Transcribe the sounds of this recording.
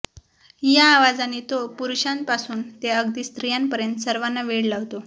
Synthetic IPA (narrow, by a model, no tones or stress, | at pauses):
jaːʋad͡zanːit̪opuɾuɕan̚pasuːnt̪eəɡd̪iːst̪ɾijanpəɾjənt̪səɾʋanːaʋeɽlaʋt̪o